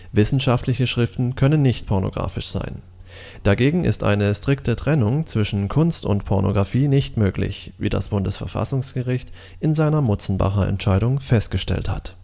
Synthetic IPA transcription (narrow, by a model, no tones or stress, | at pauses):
vɪsn̩ʃaftʰlɪçəʃʁ̥ɪftn̩kʰœnənːɪçt̚pʰɔɐno̰ɡ̥ʁa̰ːfɪʃz̥a̰ɪn | d̥aɡeːɡŋ̩ʔɪ̰stʔa̰ɪnəstʁ̥ɪk̚tətʁ̥ɛnʊŋt͡sv̥ɪʃn̩kʰʊnstʊ̰ntpʰɔɐnʔo̰ɡʁafiːnɪçtmøːklɪ̰çvḭːda̰sb̥ʊndəsfɛɐfa̰sʊŋsɡ̥əʁɪçt | ʔɪnzaɪnɐmʊt͡sn̩ba̰χɐʔɛ̰ntʃaɪɾʊŋfɛst̚ɡ̥əʃtɛ̰ltha̰t